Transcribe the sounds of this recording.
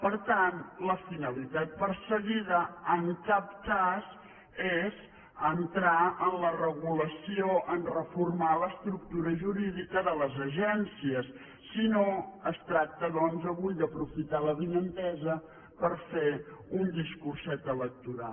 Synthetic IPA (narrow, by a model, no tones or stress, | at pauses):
pəɾt̪anləfinəlit̪at̪̚pəɾsəɣiðəəŋkap̚kaz | ez | ənt̪ɾaənlərəɣuləsioʔənrəfurmaləst̪ɾuk̚t̪uɾəʒuɾiðikəðələzəʒɛnsiəsː | inoəst̪ɾak̚t̪əðɔnzəβujd̪əpɾufit̪aləβinənt̪ɛzə | pəɾfeund̪iskursɛt̪ələk̚t̪uɾa̰l